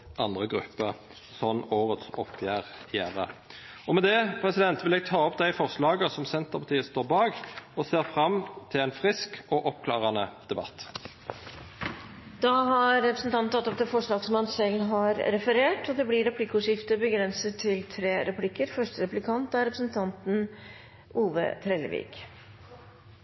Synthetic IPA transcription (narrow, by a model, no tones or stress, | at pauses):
ʔɑnd̪ʁəɡɾʉ̰pːəʁ | sɔnoːʁət̪sɔpʰːjæːʁjæːʁə̰ | ɔmɛd̪ɛpʰʁɛsɪd̪ɛnt̪ʋɪlɛɡ̚t̪ʰɑːɔpd̪æɪfɔʁʂlɑːɡəsɔmsɛnt̪əʁpʰɑt̪ʰiːəst̪oːʁbɑːɡɔseːʁfʁɑmt̪ʰɪlæɪnfʁɪskɔʔɔpkʰlɑːʁɑnəd̪̥ɛbɑ̰t̪ː | d̪̥ɑɦɑɾːɛpɾəsn̩t̪ɑnn̩t̪ɑt̪ːɔpd̪ɛfɔʂɭɑːɡsɔmɑnsɛlːɦɑɾɾɛfəɾeːʈɔd̪ɛblɪɾɛpʰlɪkːʊːʂɪft̪əbəɡɾɛnsət̪ʰːɪlt̪ʰɾeːɾɛplɪkːəɾfœʂʈəɾɛplɪkʰɑnt̪æɾɛpɾəsn̩t̪ʰɑnt̪n̩ | ʔuːʋə̰t̪ʰɾɛləʋḭːɡ